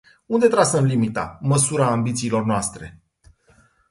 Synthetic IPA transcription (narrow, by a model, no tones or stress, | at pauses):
und̪e̞t̪ɾasəmlimit̪a̰məsuɾaːmbit̪siːlo̞rnoast̪ɾe̞̰